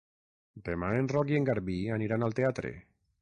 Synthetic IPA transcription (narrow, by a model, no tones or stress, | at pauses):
d̪emaenrɔkieŋɡaɾβianiɾanalˠt̪eat̪ɾḛ